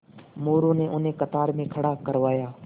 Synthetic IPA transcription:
moːɾõːnẽːʔʊnẽːkət̪aːɾmẽːkʰəɽaːkəɾʋaːjaː

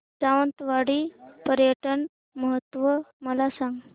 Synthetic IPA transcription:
d͡zaʋənt̪ʋaɽiːpəɾjəʈən | məɦət̪ːʋəməlasaŋɡ

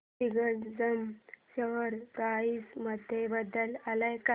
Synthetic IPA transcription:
iɡənd͡zəmɕəʋəɾkaisməd̪ʱːjebəd̪ːəlalajka

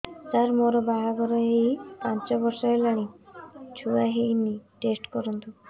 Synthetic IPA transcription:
t̪aɾmoɾɔbaɦaɡɔɾaɦejpant͡ʃɔbɔɾʃaelaɽ̃it͡ʃʰuaɦejniʈesʈkɔɾɔnt̪u

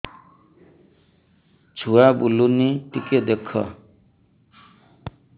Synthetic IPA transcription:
d͡ʒʰʱuabuluniʈiked̪ekʰɔ̰

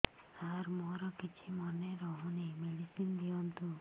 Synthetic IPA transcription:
aɾmɔɾɔkit͡ʃʰimɔneɾɔɦunimeɽisind̪iɔnt̪u

